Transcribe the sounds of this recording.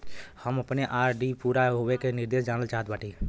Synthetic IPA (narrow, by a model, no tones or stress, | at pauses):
həməpneʔaːɾɖipuːɾaɦowekenɪɾd̪eːʃd͡ʒaːnəlt͡ʃaːɦət̪baːʈi